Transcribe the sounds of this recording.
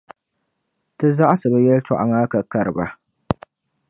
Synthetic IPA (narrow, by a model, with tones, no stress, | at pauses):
tɨ˦za˦ʔsɨ˨ba˨jɛ˦ltɔ̰˨ʔa̰˨ŋa˦ka˨ka˦˨ɾɨ˨ba˨